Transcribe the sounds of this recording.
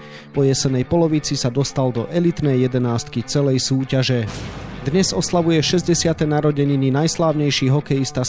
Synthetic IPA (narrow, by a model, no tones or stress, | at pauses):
pɔjɛsɛnɛjpɔlɔʋit͡sisad̪ɔst̪ald̪ɔ̰ʔɛlit̪nɛjjɛd̪ɛnaːst̪kit͡sɛlɛjsuːcaʒɛd̪ɲɛzɔslaʋujɛʃɛzɟɛsɪat̪ɛnaɾɔɟɛɲininajslaːʊɲɛjʃiːɦɔkɛjist̪a